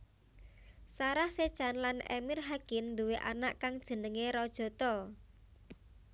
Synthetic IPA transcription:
saɾahse̥t͡ʃanlanɛ̰mirɦaɡ̥ɪnd̪uweʔanaʔkaŋd̥ʒ̥ə̤nəŋeɾɔd̥ʒ̥ɔ̤t̪ɔ

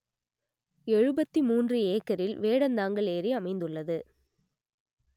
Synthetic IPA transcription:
ɛɻɯbɐt̪ːimuːndrɯeːkːɐɾɪlʋeːɽɐnd̪aːŋɡɐɭeːɾiɐmɐɪnd̪ɯɭːɐðɯ

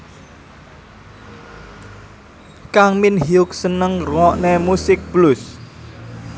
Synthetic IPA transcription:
kaŋminhiʊk̚sənəŋrwɔʔnemusɪk̚blus

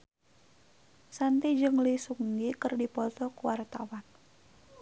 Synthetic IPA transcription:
sant̪id͡ʒɨŋlisuŋɡikərdipɔt̪ɔkuwart̪awan

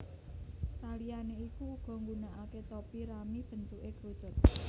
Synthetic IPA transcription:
salijaneikuɡ̥ɔ̤ŋɡunaʔaket̪opiɾamib̥ə̤nt̪uʔeɡ̥ɾud̥t͡ʃʊ̤t̪̚

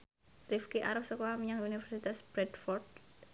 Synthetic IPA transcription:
rifkiʔa̰ɾɔfsɔkoamiɲaŋunifɛɾsit̪asb̥ɾɛdfɔrd̪̚

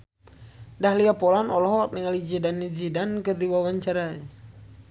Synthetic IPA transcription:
dahliapɔlanɔlɔɦɔk̚niŋalid͡ʒidanːid͡ʒidankɨrdiwawaɲt͡ʃaɾaɲ

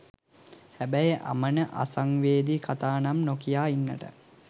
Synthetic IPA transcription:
hæbæjəʔa̰mənəʔa̰saŋʋeːd̪ikʰat̪aːnamnokijaːinːəʈə̰

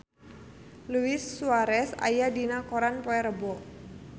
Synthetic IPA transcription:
luɪsːuaɾɛsa̰jadinakɔɾanpoɛɾəbɔ

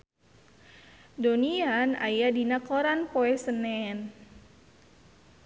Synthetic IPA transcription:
doniana̰jadinakoɾanpoɛsənɛn

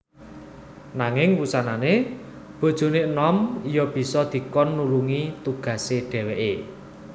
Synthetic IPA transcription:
naŋɪŋwusanane | b̥ɔ̤d̥ʒ̥o̤neənɔmijɔb̥i̤sɔd̪̥i̤kɔnːuluŋit̪uɡ̥ä̤seɖ̥ɛ̤weʔe

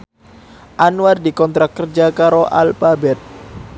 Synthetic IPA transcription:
ʔanuardikɔnt̪ɾak̚kərd͡ʒakaɾoʔa̰lfabɛt̪̚

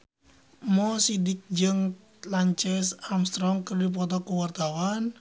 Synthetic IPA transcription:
mɔsidɪk̚d͡ʒɨŋ | laɲt͡ʃɛsamst̪ɾɔŋkərdip̬ɔt̪ɔkuwart̪awan

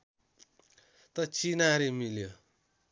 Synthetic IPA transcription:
t̪ʌt͡sinaɾemiljo

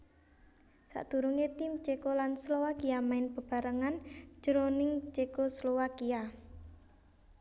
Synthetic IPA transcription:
sa̰ʔd̪̥ṳɾuŋet̪ɪmt͡ʃekolanslowakiamaɪnpəb̥a̤ɾəŋand͡ʒ̥əɾonɪŋt͡ʃekoslowakia

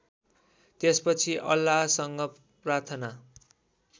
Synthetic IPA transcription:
t̪espʌt͡sʰiʔʌlːasʌŋɡʌ | prart̪ʰʌna

